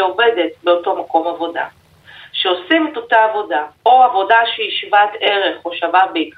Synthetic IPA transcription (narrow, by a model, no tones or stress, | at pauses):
ovede̞t̚beoto̞mako̞mavo̞da̰ | ʃeosimeto̞taːvo̞daoavo̞daʃeiʃvate̞ʁe̞χo̞ʃavabeik